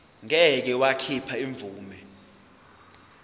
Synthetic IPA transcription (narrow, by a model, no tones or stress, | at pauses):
ŋɛk̬ɛwakʰipʰaiɱb̪vuːmɛ